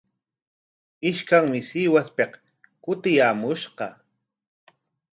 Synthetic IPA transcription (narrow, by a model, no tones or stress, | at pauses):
ɪʃkaŋmɪsiːwaspeq | kʊt̪ɪjaːmʊʃqɑ